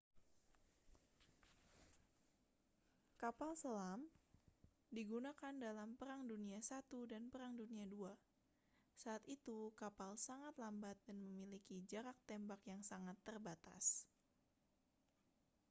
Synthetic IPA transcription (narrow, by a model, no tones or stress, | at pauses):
kapalsəlam | diɡunakandalampəɾaŋduniasat̪udanpəɾaŋduniadua | saːt̪it̪ukapalsaŋat̪lambat̪̚danməmilikid͡ʒaɾak̚t̪ɛmbakjaŋsaŋat̪ːərbat̪a̰s